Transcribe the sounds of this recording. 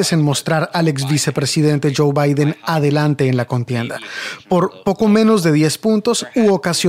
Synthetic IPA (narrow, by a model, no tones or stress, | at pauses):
ese̞nmo̞st̪ɾaɾalekz̬βise̞pɾe̞siðe̞nt̪e̞ʝo̞wβajðe̞naðe̞lant̪e̞ːnlako̞nt̪je̞nd̪apo̞ɾpo̞ko̞mẽ̞no̞zðe̞ðje̞spunt̪o̞suokaso